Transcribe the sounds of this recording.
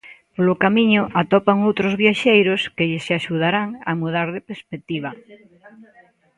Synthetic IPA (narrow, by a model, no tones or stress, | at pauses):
polokamiɲʊʔat̪ɔpaŋowt̪ɾozβjaʃejɾoskeʎɪsaʃuð̞aɾaŋamuðaɾðepeɾspek̚t̪iβ̞a